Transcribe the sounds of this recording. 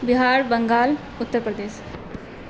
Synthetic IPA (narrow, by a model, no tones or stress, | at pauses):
bɪɦaːɾbəŋɡaːl | ʊt̪ːəɾpɾəd̪eːʃ